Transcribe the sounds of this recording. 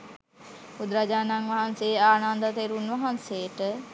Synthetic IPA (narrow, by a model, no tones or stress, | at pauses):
pud̪ɾad͡ʒaːnaŋʋaɦanseːaːnand̪ət̪eɾunʋaɦansejʈə